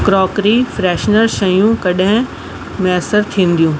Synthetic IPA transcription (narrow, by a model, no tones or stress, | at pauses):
kɾɔːkɾifɾɛːʃnəɾʃɐjũkɐɗɦɪ̃ | meəsəɾt̪ʰĩːn̆d̪ijũː